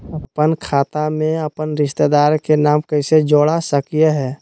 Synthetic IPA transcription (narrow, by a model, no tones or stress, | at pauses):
əpənkʰaːt̪amẽəpənɾɪʃt̪ed̪aɾkenamkəɪsed͡ʒoːɽasəkijeɦɛː